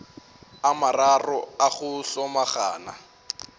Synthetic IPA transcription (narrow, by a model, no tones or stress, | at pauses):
amararɔaχʊɬɔmaχa̰ːna̰